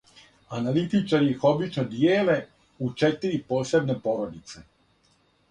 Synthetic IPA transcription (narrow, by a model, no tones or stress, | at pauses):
analit̪it͡ʃaɾiixo̞bit͡ʃnod̪jeːle̞ | ut͡ʃet̪iɾipo̞ːse̞bne̞po̞ɾo̞d̪it̪se